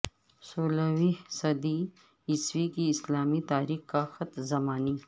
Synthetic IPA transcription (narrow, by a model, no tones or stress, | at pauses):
soːlawisɐd̪i | ɪswikiɪslaːmit̪aːɾiːxkaxɐt̪zɐmaːniː